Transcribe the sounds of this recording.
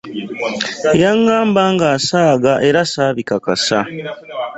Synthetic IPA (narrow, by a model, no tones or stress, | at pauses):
jaŋɡaːmbaːŋɡasaːɡaʔe̞ɾasaːβikakasa